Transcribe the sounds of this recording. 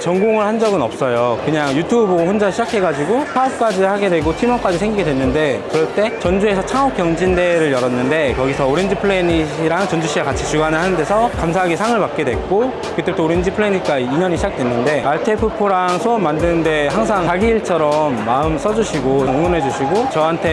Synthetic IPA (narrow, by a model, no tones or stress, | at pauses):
t͡ɕʌŋɡoŋɯɭhand͡ʑʌɡɯnʌp̚s͈ʌjokɯɲaŋjutʰubɯoɸund͡ʑaɕʰid͡ʑakʰe̞ɡad͡ʑiɡopʰap̚k͈ad͡ʑihaɡe̞dwe̞ɡotʰimʌnk͈ad͡ʑisʰeŋɡiɡedwenːɯnde̞kɯɾʌɭt͈e̞t͡ɕʌnd͡ʑue̞sʰʌt͡ɕʰaŋok͈jʌŋd͡ʑinde̞ɾɯɭjʌɾʌnːɯnde̞kʌɡisʰʌoɾend͡ʑipʰɯɭeniɕiɾaŋt͡ɕʌnd͡ʑuɕ͈ʰiɡakat͡ɕʰit͡ɕuɡanɯɭhanɯnde̞sʰʌkamsʰaɦaɡisʰaŋɯɭpak̚k͈e̞dwe̞k͈o | kɯt͈eutʰoɾend͡ʑipʰɯɭeɲik͈aiɲʌɲiɕʰd͡ʑak̚t͈we̞nːɯnde̞aɭtʰepʰɯpʰuɾaŋsʰoʌmːandɯnɯnde̞haŋs̬ʰaŋaɡiːɭt͡ɕʰʌɾʌmːaɯms͈ʌd͡ʑuɕʰiɡoʌŋoŋɯne̞d͡ʑuɕʰiɡot͡ɕʌɦantʰe̞